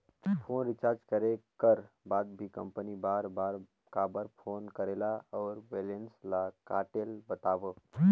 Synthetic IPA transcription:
pʰoːnɾɪt͡ʃaːɾd͡ʒkəɾekəɾ | baːd̪̚bʱikə̃mpənibaːɾbaːɾ | kabəɾpʰoːnkəɾeːlaɔːɾbeːlenslakaːʈeːlbət̪aːʋə

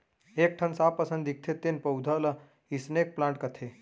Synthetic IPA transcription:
ek̚ʈʰənsapəsənd̪ik̚t̪ʰet̪ːenpəwd̪ʱələ | isnek̚plãɳʈkət̪ʰe

